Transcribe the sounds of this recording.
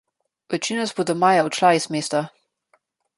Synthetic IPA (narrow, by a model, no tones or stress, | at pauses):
ʋɛt͡ʃinɔzbod̪ɔmaːjaɔt͡ʃlaismeːst̪a